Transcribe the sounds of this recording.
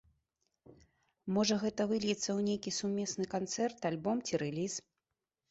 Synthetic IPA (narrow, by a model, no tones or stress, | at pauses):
mɔʐɐɣɛt̪ɐvɨlʲjit̪sːɐwnʲejkʲisumʲɛsnɨkant̪sɛrt̪alʲbɔmt͡sʲiɾɛlʲis